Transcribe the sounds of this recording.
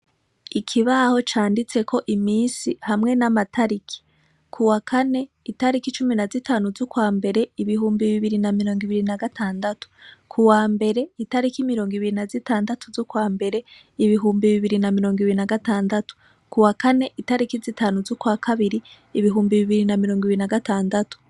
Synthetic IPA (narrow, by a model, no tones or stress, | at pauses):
ikʰiβaho̞t͡ʃaːndit͡se̞kʰo̞ʔimiːnsihamŋe̞namatʰaɾikʰi̥ | kʰuwakʰane̞ | itaɾikit͡ʃuminazitaːnuzukwaːmbe̞ɾeiβiɦuːmbiβiβiɾinamiɾo̞ːŋɡiβiɾinaɡatʰaːndatu̥kʰuwaːmbe̞ɾe̞itaɾikimiɾo̞ːŋɡiβiɾinazitaːndatuzukwaːmbe̞ɾe̞ | iβiɦuːmbiβiβiɾinamiɾo̞ːŋɡiβiɾinaɡataːndatu̥ | kuwakane̞ʔitaɾikizitaːnuzukwakʰaβiɾiː | βiɦuːmbiβiβiɾinamiɾo̞ːŋɡiβiɾinaɡataːndatu̥